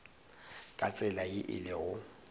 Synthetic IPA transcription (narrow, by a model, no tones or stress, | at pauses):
kʼat͡sʼɛlajɪʔɪ̰lɪɣʊ